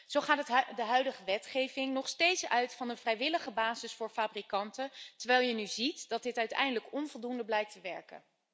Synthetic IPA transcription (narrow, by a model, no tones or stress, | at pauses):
z̥owχaːtdəɦœɥdəχəʋɛtχejvɪŋnɔχstejtsœɥtfɑnənvrɛjʋɪləχəbaːzɪsfʊːɹfaːbrikɑntəntəɹʋɛjlˠjənyzitd̥ɑt̚dɪtœɥtɛ̰jndələkɔnvɔlˠdundəblɛjk̚təʋɛɹkə̰n